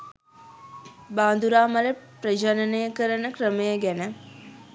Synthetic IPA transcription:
baːnd̪uɾaːmaɾepɾəd͡ʒanənəjəkəɾənəkɾəməjəɡænə

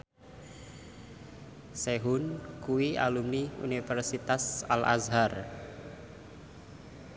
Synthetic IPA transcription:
seɦʊnkuwia̰lumniṵnifɛrsit̪asa̰lʔa̰zɦar

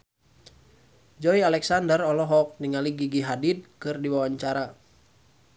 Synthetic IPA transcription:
d͡ʒɔialɛksandərɔlɔɦɔk̚niŋaliɡiɡiɦadid̪̚kɨrdiwawaɲt͡ʃaɾa

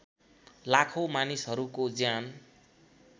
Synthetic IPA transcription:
lakʰomanisɦʌɾukod͡zjan

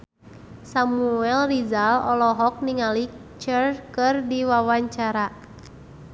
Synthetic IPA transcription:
samuɛlrizalɔlɔɦɔk̚niŋalit͡ʃərkɨrdiwawaɲt͡ʃaɾa

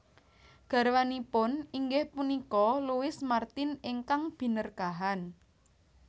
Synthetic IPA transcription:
ɡ̥a̤ɾwanipʊniŋɡɪhpunikɔluwɪsmart̪ɪnɪŋkaŋb̥i̤nərɡ̥aɦan

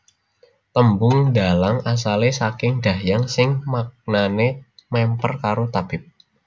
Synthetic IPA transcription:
t̪əmbʊŋdalaŋas̬alesakɪŋd̥ajaŋsɪŋmak̚nanemɛmpərkaɾot̪ab̥ɪp̚

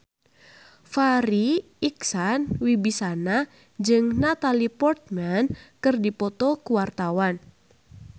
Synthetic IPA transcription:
faɾi | iksanwibisana | d͡ʒɨŋnat̪alipɔrt̪̚mankɨrdipɔt̪ɔkuwart̪awan

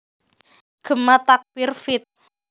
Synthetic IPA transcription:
ɡ̥ə̤mat̪ak̚b̥irfɪt̪̚

